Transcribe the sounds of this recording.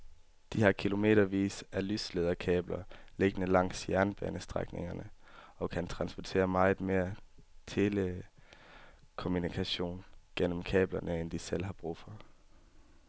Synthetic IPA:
d̥ihɑ̈kʰilo̝me̝̰ːɾɐʋḭːsælysleðˠɐkʰɛ̰ːb̥lɐle̝ɡ̥ənəlɑ̈ŋ̰sjæɐnb̥ɛ̰ːnəsd̥ʁaɡ̥ne̝ŋɐnəɒ̽kʰænt͡sʰʁɑ̈nsb̥ɒt͡sʰe̝̰ːɐmɑ̈ɪð̩ˠme̝ːɐt͡sʰe̝lə | kʰo̝munikʰæɕo̝̰ːnɡ̥en̰m̩kʰɛ̰ːb̥lɐnʔəend̥isel̰ɦɑ̈b̥ʁṵːfɒ̽

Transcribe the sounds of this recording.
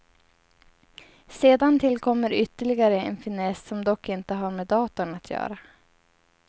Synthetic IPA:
seːd̪ant̪ʰɪlkʰɔmːəɾʏt̪ːəɭɪɡaɾəɛnfɪnɛsːɔmd̪ɔkːɪnt̪əɦaɾmɛd̪ɑːt̪ʊnat̪ʰjœ̰ːɾa

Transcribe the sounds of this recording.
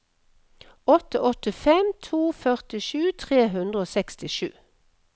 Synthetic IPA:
ɔt̪əʔɔt̪ɪfɛmt̪ʰuːfœʁt̪ɪʃʉːt̪ʰʁeːɦʉnd̪ʁəoːsɛkst̪ɪʃʉ̰ː

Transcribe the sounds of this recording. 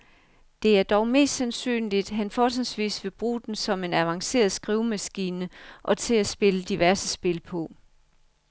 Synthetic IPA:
d̥e̝æɐd̥ɒʊme̝̰ːsd̥sænsy̰ːnlid̥ɦænfɒːsʰensʋḭːsʋe̝b̥ʁṵːd̥en̩sɒ̽me̝næʋɑ̈ŋse̝̰ːɐð̩ˠsɡ̥ʁiʊmæsɡ̥iːnəʔɒ̽t͡sʰe̝æsb̥e̝ləd̥iʋæɐsəsb̥e̝lpʰɒ̽

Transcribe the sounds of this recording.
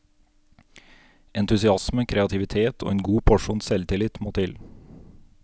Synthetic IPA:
ɛnt̪ʉsɪɑsməkʰɾɛɑt̪ʰɪʋɪt̪ʰeːt̪ʰo̰ːeːnɡuːpʰɔʂuːnsɛlt̪ʰɪlɪt̪moːt̪ʰɪl

